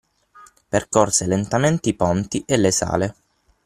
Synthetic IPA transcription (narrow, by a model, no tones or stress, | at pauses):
perkɔrselent̪ament̪eipɔnt̪iʔelːesa̰ːle